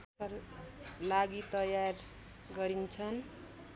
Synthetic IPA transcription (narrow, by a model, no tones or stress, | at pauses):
ʌrlaɡit̪ʌjar | ɡʌɾint͡sʰʌn